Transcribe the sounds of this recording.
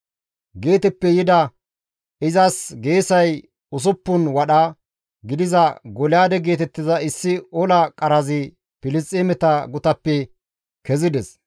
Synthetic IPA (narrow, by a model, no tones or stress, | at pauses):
ɡe̞ːt̪ɛpːɛjɪd̪ɐ | ɪzɐsɡe̞ːsɐj | ʊs̬ʊpːʊnwɐɗɐ | ɡɪd̪ɪzɐɡɔlɪjaːd̪ɛɡe̞ːt̪ɛt̪ːɪzɐɪsːɪɔlɐkʼɐɾɐzɪ | pɪlɪst͡sʼːemɛt̪ɐɡʊt̪ɐpːɛ | kɛzɪd̪ɛs